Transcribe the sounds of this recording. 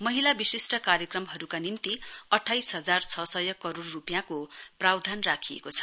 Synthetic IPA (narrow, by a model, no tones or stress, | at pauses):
mʌɦilabisisʈʌkaɾjʌkrʌmɦʌɾukanint̪iʌʈʰːajsɦʌd͡zart͡sʰʌsʌjʌkʌɾorːupjãkoprawd̪ʱanrakʰijḛkot͡sʰʌ̥